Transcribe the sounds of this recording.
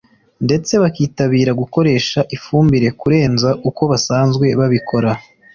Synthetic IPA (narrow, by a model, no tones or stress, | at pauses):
nde̞t͡se̞βakiːtaβiːɾaɡuko̞ɾe̞ːʃaʔifuːmbiɾe̞kuɾe̞ːnzaʔuko̞βasaːnzɡwe̞βaβikʰo̞ɾa